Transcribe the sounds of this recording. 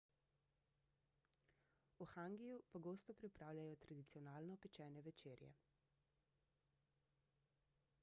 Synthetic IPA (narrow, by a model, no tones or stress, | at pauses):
uxaŋɡijupɔɡoːst̪ɔpɾipɾaːwlʲjajɔt̪ɾad̪it̪siɔnaːlnɔpɛt͡ʃɛːnɛʋɛt͡ʃeːɾjɛ̰